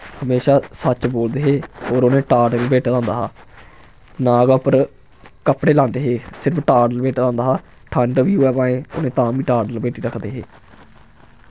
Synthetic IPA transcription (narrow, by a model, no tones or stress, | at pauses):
həmeːʃaːsət͡ʃboːld̪eːɦeːoːɾoːnẽːʈaːɖəlbeːʈːd̪ãːnd̪aːɦaː | naːɡapəɾ | kəpɽeːlãːnd̪eːɦeːsɪɾəpʰʈaːɖəlbeːʈd̪ãːnd̪aːɦaː | ʈʰaɳɖəʋiːoɛːbãːẽːo̰ːnẽːt̪ãːbiːʈaːɖəlbeːʈiːɾəkʰd̪eːɦḛː